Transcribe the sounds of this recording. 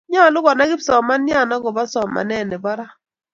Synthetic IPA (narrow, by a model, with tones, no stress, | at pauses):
ɲa˦˨lʊ˦ɡɔ˨na˦ɡɪ˦psɔ˨ma˦nja˦˨na˦ɡɔ˨ba˦sɔ˨ma̰˨nɛ˦˨nɛ˨bɔ˦ɾa˦